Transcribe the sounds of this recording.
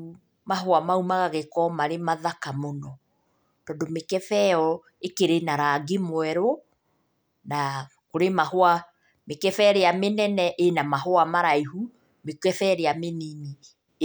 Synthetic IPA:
maɦoamaumaɣaɣekɔmaɾemaðakamonɔ | tɔːndomekɛfɛɔ | ekeɾenaɾaɡemwɛɾo | na | koɾemahoa | mekɛfɛɾeamenɛnɛʔenamaɦoamaɾaiɦu | mekɛfɛɾeamenini

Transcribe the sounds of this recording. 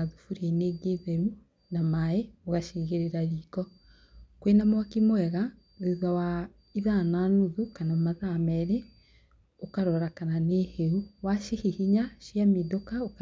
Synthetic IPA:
aðufuɾieneːɡeðɛɾu | namaeoɣaʃiɣeɾeɾaɾiːkɔ | kwenamwakimwɛɣa | ðeðawa | iðananuðukanamaðamɛɾe | okaɾɔɾakananeheuwaʃehihiɲaʃjamedokaok

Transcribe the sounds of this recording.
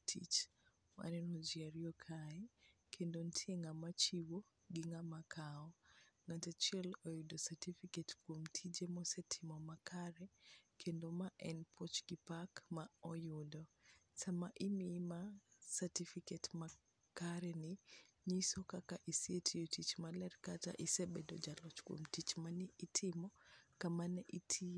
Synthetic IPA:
tʰḭt͡ʃ | ma̰nɛnɔd͡ʒiaɾiɔkʰaɛkʰendontʰieŋamat͡ʃiwo | ɡɪŋamakʰaɔŋatɛt͡ʃɛlojudɔsatifiketkwomtʰid͡ʒemɔsɛtʰimɔmakʰaɾɛkʰendomaʔɛnpʰɔt͡ʃɡipakmaɔjʊdɔsamaʔimimasatifiketma | kaɾɛnɪ | ɲisokakaʔisietʰijotit͡ʃmalɛrkata̰ʔisebɛdo̰d͡ʒalɔt͡ʃkwo̰mtit͡ʃmanɪʔitʰɪmɔkamanɛʔitʰi

